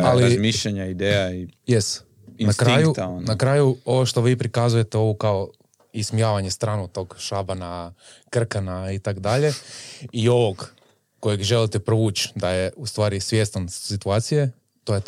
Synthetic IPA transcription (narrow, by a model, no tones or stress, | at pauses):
aliɾzmiʃʎaɲaid̪ejaijest̪ | inastkɾajkut̪aonnakɾaːjuo̞ʋoʃt̪o̞ʋiːpɾikazuje̞t̪eo̞ʋukao | ismijaːʋaɲe̞st̪ɾanot̪o̞ɡʃabana | kr̩kanait̪akd̪aʎe̞io̞ʋoɡː | o̞jeɡʒe̞lit̪epɾoʋuːt͡ʃd̪ajeust̪ʋaːɾisʋje̞st̪ansit̪uaːt̪sije | t̪oje